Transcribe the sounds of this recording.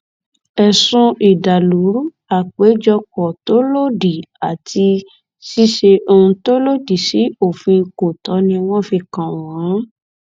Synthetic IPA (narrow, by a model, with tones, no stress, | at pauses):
ɛ˨sũ˧ʔi˨da˨lu˨˦ | a˨k͡pe˨˦d͡ʒɔ˧kɔ˨to˦lo˦di˨a˨tʰi˧ | si˦ʃe˧o˧ũ˧to˦lo˦di˨si˨˦o˦˨fĩ˧ko˨tɔ˨˦nĩ˧w̃ɔ̃˦˨fi˧kã˨w̃ɔ̃˨˦